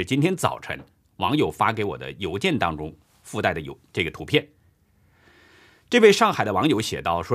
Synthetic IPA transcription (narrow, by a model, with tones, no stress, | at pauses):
ɻ̩˩t͡ɕi˥nt̪ʰjɛ˥nt͡sɑ̰˨˩ʊʈ͡ʂʰə̰˧˥ŋ | wɑ˧˥ŋjo˨˩ʊfa˥ke˧˥ɪwɔ̰˨˩d̪ə̰˦jo˧˥ʊt͡ɕjɛ˥˩nt̪ɑ˥ŋʈ͡ʂʊ˥ŋ | fu˥˧t̪a˥˩ɪd̪ə˩jo˧ʈ͡ʂɤ˥˩ɡə˩t̪ʰu˧˥pʰjɛ˥˩n | ʈ͡ʂɤ˥˧we˥˧ɪʂɑ˥˩ŋxa˨˩ɪd̪ə˦wɑ˧˥ŋjo˧˥ʊɕjɛ̰˨˩t̪ɑ˥˩ʊʂwɔ˥